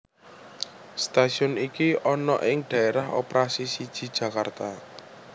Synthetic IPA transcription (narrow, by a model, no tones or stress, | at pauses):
st̪asiʊnikiɔnɔʔɪŋɖ̥ä̤eɾaho̰peɾasisid̥ʒ̥i̤d̥ʒ̥ä̤kart̪a